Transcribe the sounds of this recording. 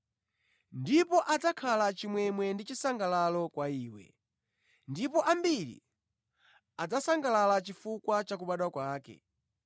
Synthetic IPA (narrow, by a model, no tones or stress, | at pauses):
ndipɔʔad͡zakʰalat͡ʃimwɛmwɛndit͡ʃisaŋɡalalɔkwaiːwɛ̰ | ndipɔʔambilḭ | ad͡zasaŋɡalalat͡ʃifukwat͡ʃak̬uɓaɗwakwaːkɛ̰